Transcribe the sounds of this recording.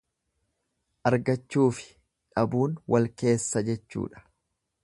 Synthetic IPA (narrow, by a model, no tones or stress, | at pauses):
ʔɐɾɡɐt͡ʃːuːfɪ̥ | ᶑɐbuːnwɐlke̞ːsːɐd͡ʒɛt͡ʃːṵːᶑɐ̥